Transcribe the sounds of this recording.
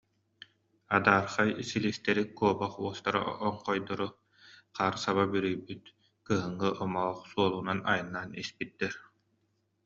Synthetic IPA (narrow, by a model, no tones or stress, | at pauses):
ad̪aːɾχajsilist̪ɛɾikuɔbaχuɔst̪aɾa̰ɔɴqɔjd̪ɔɾu | qaːɾsaβabyɾyjbyt̪ | kɯɦɯŋːɯʔɔmɔχsuɔlˠuːnanajɯnːaːnispit̪ːɛɾ